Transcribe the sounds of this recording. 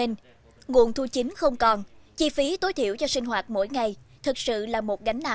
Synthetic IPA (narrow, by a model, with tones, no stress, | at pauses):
e˧n | ŋṵ˨˧˩ənt̪ʰu˧t͡ɕï˨˦ŋ̟xə˧wŋ͡mkɔ˨˩nt͡ɕi˧fi˨˦t̪o˨˦jt̪ʰi˧˨əwt͡ɕɔ˧sï˧ŋ̟ɦwaː˨˩t̚mo̰˧˥jŋa˨˩jt̪ʰɨ˨˩k̚sɨ̰˧˨laː˨˩mo˨˩t̚ɣa˨˦jŋ̟naː˨˩